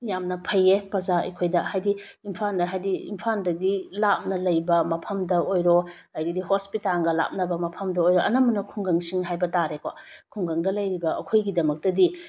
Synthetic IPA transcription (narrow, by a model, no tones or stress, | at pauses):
jamnɐpʰɐjepɐzaɐ̰jkʰojdɐhajdi | impʰandɐɦajdiḭmpʰandɐdilap̚nɐlɐjbɐmɐpʰɐmdɐojɾo | ajɡidiɦospitaŋɡɐla̰p̚nɐbɐmɐpʰɐmdɐojɾoɐnɐmɐnɐkʰuŋɡɐŋsiŋɦajbɐtaɾeko̰kʰuŋɡɐŋdɐlɐjɾibɐɐ̰kʰojɡidɐmɐk̚tɐdi